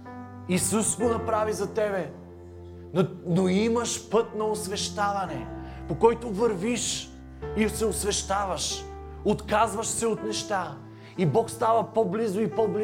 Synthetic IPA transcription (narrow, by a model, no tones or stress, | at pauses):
isusɡonɐpɾavizɐt̪ɛbɛ | noimɐʃpɤt̪̚nɐosvɛʃt̪avɐnɛpokɔjt̪ovɐɾviʃ | isɛosvɛʃt̪avɐʃ | ot̪kazvɐʃsɛot̪nɛʃt̪a | ibɔkst̪avɐpɔblizʊipɔbli